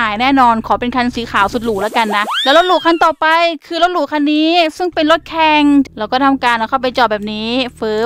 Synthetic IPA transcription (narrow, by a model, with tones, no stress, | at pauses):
aː˨˩˦jnɛː˥˩nɔː˧nkʰɔː˩˦pe˧nkʰa˧nsiː˨˩˦kʰaː˩˦wsu˨˩t̪̚luː˨˩la˦˥ka˧nːa˦˥ʔlɛː˧˦˥wlo˦˥t̪̚luː˨˩kʰa˧˥˩nt̪ɔː˨˩pa˧jkʰɯː˧lo˦˥t̪̚lu˨˩kʰa˧nːiː˦˥sɯ˥˩ŋpe˧nlo˦˥t̪̚kʰɛ˧ŋlɾɛː˦˥wkɔː˥˩t̪ʰa˧mkaː˧nɾaː˧˩ka˥˩wp̬a˧jt͡ɕɔː˨˩bɛː˨˩p̚niː˦˥fɯː˦˥